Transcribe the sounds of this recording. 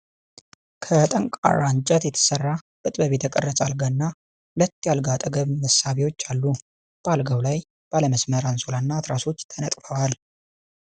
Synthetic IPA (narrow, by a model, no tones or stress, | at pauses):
kʰət̪ʼəŋkʼa̰rːant͡ʃʼət̪jɛt̪ʰə̥sərːa | b̥ɨt̪ʼbəβet̪ʰəkʼərːəsʼalɡanːa | hʊlət̪ːjalɡat̪ʼəɡəβməsaβewo̞t͡ʃːalːu | b̥alɡəwlaj | b̥aləməsməɾansolanːat̪ɾaso̞t͡ʃːt̪ʰənət̪ʼfəwal